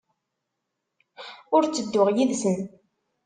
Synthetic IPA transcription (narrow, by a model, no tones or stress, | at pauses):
ʊɾt͡sːəd̪ːʊʁjiðsən